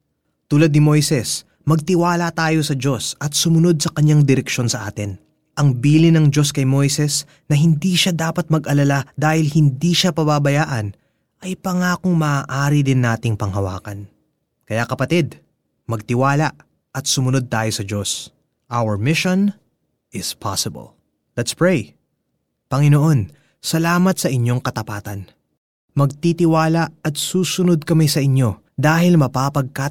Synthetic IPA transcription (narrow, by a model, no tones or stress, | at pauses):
t̪uːlɐd̪̚nɪmojsɛs | mɐɡ̚t̪ɪwaːlɐt̪aːjo̞sɐd͡ʒo̞sɐt̪̚sʊmʊno̞d̪̚sɐkɐɲːaŋd̪ɪɾɛkʃo̞nsɐʔaːt̪ɪn | ʔɐŋbiːlɪnɐŋd͡ʒo̞skɐjmo̞jsɛs | nɐɦɪnd̪iːʃad̪aːpɐt̪̚mɐɡʔɐlɐlad̪aːhɪlhɪnd̪iʃapɐbabɐjaːʔɐn | ʔɐjpɐŋaːkoŋmɐaʔaːɾid̪ɪnːaːt̪ɪŋpɐŋɦɐwa̰ːkɐn | kɐjakɐpɐt̪id̪ | mɐɡ̚t̪ɪwaːlɐʔ | ɐt̪sʊmʊno̞d̪̚t̪aːjo̞sɐd͡ʒo̞s | ʔawəɹmɪʃon | ʔɪspʰa̰sɪbɐ̰l | lɛt̪spɹɛj | pɐŋɪnoʔo̞n | sɐlaːmɐt̪sɐʔɪɲːo̞ŋkɐt̪ɐpaːt̪ɐn | mɐɡ̚t̪it̪ɪwaːlɐʔɐt̪̚suːsʊno̞d̪̚kɐmɪsɐʔɪɲo̞ | d̪aːɦɪlmɐpaːpɐɡ̚ka